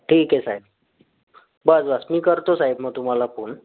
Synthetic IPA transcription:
ʈʰiːkesaɦib̚ | bəsbəsmiːkəɾt̪osaɦibməɡ̚t̪um̤alapuːɳ

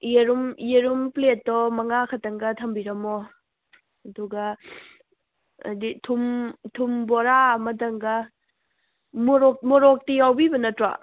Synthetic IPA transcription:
jeɾumjeɾumpletːɔmɐŋakʰɐtɐŋɡɐtʰɐmbiɾɐmɔ | ɐduɡɐ | ditʰumtʰumbɔɾaɐmɐtɐŋɡɐ | moɾɔk̚mɔɾɔk̚tijawbibɐnɐtɾa̰

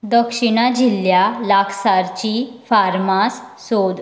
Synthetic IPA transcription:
d̪əkʂiɽ̃ad͡ʑiljalakʰsaɾt͡ɕifaɾmasː | od̪

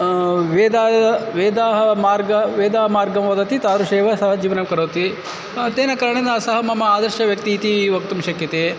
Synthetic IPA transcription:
ʋeːd̪aːʋeːd̪aːɦɐmaːɾɡɐʋeːd̪aːmaːɾɡɐmʋɐd̪ɐt̪it̪aːɾuʃeːʋɐsɐɦɐd͡ʒiːʋɐnɐmkɐɾoːt̪i | t̪eːnɐkɐɾɐɳed̪ɐsɐɦɐmɐmɐaːd̪ɐɾʃɐʋjɐkt̪iːt̪iʋɐk̚t̪umʃɐkjɐt̪eː

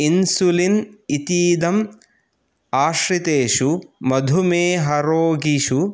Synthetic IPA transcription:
insulinit̪iːd̪ɐm | aːʃɾit̪eːʃumɐd̪ʱumeːɦɐɾoːɡiʃu

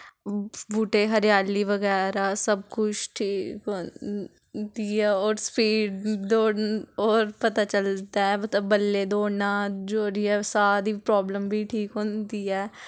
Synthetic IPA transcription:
buːʈeːɦəɾjaːliːʋəɡɛːɾaːsəb̚kʊt͡ʃʈʰiːkɦõː | d̪iːɛːɔːɾspiːɖd̪oːɽoːɾpət̪aːt͡ʃəld̪aːɛːmət̪ləbːəlːeːd̪oːnaːd͡ʒoːɾiːɛːsaːɾiːpɾɔːbləmbʱiːʈʰiːkɦõːnd̪iːɛː

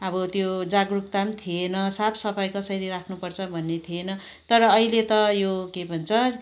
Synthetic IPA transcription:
ʌbʌt̪jod͡zaɡruk̚t̪amt̪ʰienʌsapʰsʌpʰʌjkʌsʌɾiɾakʰnupʌrt͡sʰʌbʱʌnːet̪ʰienʌ | t̪ʌɾʌːilet̪ʌjokebʱʌnt͡sʰʌ

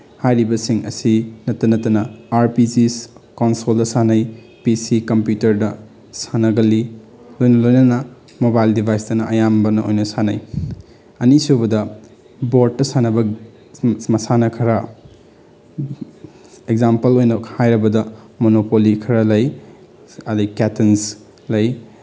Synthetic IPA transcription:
hajɾibɐsiŋɐ̰sinɐtːɐnɐtːɐnɐaɾpid͡ʒiskonsoldɐsanɐj | pisikɐmpjutɐɾdɐ | sanɐɡɐli | lojnɐlojnɐnɐ | mobajldibʱajstɐnɐʔɐjambɐnɐo̰jnɐsanɐj | ɐnisubɐdɐ | boɾd̚ːɐsanɐbɐ | mɐsanɐkʰɐɾɐ | eɡ̚zampɐlojnɐhajɾɐbɐdɐ | monopolikʰɐɾalɐj | ɐdɐkɛtens | lɐj

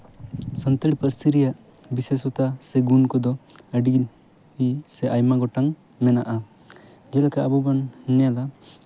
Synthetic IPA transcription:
sənt̪ɛɽpəɾsiɾijaʔ | bisesɔt̪asɛɡunkɔd̪ɔəɖi | isɛʔajmaɡɔʈaŋ | mɛnaʔa | d͡ʒɛlakaʔabɔbannala

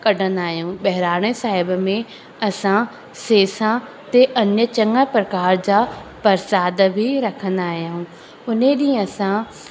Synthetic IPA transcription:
kɐɖʱə̃nd̪aːɦjõːɓɐɦɪɾaːɽ̃esaːɦɪbmẽ | ɐsã | seːsã | t̪eʔɐnjət͡ɕɐŋɡəpɾəkaːɾd͡ʑaːpɐɾsaːd̪bʱiɾɐkʰə̃nd̪aːɦɪjãũː | ʊnẽɗĩːɐsã

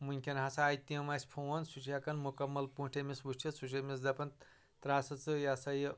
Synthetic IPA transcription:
munʲkʰʲɐnɦasaːjt̪iɐmɐsʲpʰowɐnsut͡ʃʰijakɐnmukɐmːɐlpũːʈʰemʲisbuʃt͡ʃʰisut͡ʃʰɐmisd͡zɐpɐn | t̪ɾaːsɐt͡sɨjasɐj

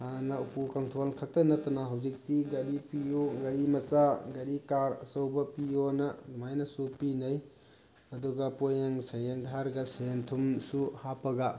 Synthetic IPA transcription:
hanɐupʰukɐŋtʰolkʰɐtɐnɐtɐnaɦɐwzik̚tiɡɐɾipijoɡɐɾimɐsaɡɐɾikaɾɐsɐwbɐpijonɐɡumajnɐsupinɐj | ɐduɡɐpojaŋsɐjeŋdʱaɾɡɐsɐjentʰumsuhapɐɡɐ

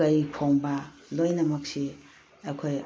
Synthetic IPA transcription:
ɐjpʰoŋbɐlojnɐmɐk̚si | ɐkʰoj

